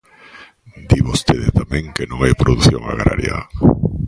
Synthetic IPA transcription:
d̪iβost̪eðet̪amẽŋkenõŋajpɾoðuθjõŋaɣɾa̰ɾja̰

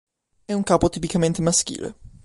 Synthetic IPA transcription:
ɛuŋkaːpot̪ipikament̪emask̟ḭːlḛ

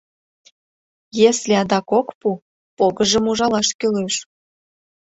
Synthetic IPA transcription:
jesleɑd̪ɑkokpu | poɣəʒə̆muʒɑlɑʃkøleʃ

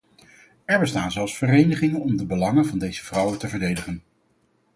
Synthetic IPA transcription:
ɛɹbəstaːnzɛlˠsfərejnəχɪŋənɔmdəbəlɑŋənvɑndejz̥əv̥rʌwətəvəɹdejdəχən

